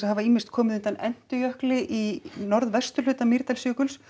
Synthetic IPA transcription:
havaiːmɪnst̪̚kʰɔːmɪʏnt̪anɛn̥t̪ʏjœhklɪʔinɔɾðvɛst̪ʏl̥ʏːt̪amiɾt̪alsjʏːkʏls

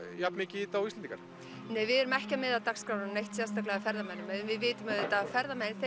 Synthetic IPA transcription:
japnmɪːcɪit̪awist̪ɛniŋkaɾ̥ | neːjvɪðɛɾʏmɛhcamɪðat̪akskɾawnaɾnejht̪sjɛ̥st̪aklɛɣafɛɾðamɛnːʏmɛðnvɪðvɪːt̪ʏmaððɪt̪afɛɾðamɛnθe

